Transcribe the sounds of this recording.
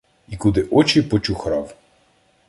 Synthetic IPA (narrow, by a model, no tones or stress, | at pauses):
ikud̪ɪʔɔt͡ʃipɔt͡ʃʊxɾɑw